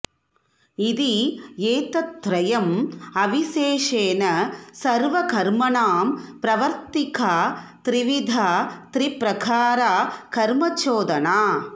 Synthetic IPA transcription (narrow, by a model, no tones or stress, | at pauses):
id̪ieːt̪ɐt̪ːɾɐjɐmɐʋiʃeːʂeːnɐsɐɾʋɐkɐɾmɐɳaːmpɾɐʋɐɾt̪ikʰaːt̪ɾiʋid̪ʱat̪ɾipɾɐkʰaːɾakɐɾmɐt͡ʃoːd̪ɐnaː